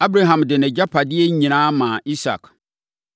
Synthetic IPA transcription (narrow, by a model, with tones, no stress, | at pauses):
a˦bɾa˦ɦã˨mdɪ˨nɛ̃˨d͡ʑa˦pʰa˨dɪ˦ɛ˦ɲĩ˨ñãː˦mãː˨i˦sa̰˨k